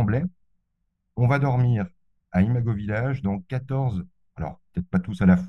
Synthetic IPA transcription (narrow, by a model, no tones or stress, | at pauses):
blɛ | ɔ̃vad̪ɔʁmiʁ | aimaɡovilaʒd̪ɑ̃kat̪ɔʁz | alɔ̰ʁpə̥t̪ɛt̪̚χpat̪usalafw